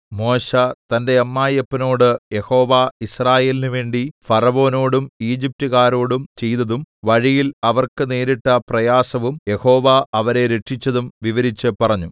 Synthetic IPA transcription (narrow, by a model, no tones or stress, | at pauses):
mo̞ːɕɐt̪ɐnde̞ɐmːaːjɐpːɐno̞ːɽɨje̞ho̞ːʋaisraːje̞ːlinuʋe̞ːɳɖifɐrɐʋo̞ːno̞ːɽumiːd͡ʑip̚tuɣaːɾo̞ːɽumt͡ɕe̞jt̪ɐðumʋɐɻijilɐʋɐrkɨneːɾiʈːɐprɐjaːsɐʋumje̞ho̞ːʋaɐʋɐɾe̞ɾe̞ʈʂit͡ɕːɐðumʋiʋɐɾit͡ɕːɨpɐrɐɲːu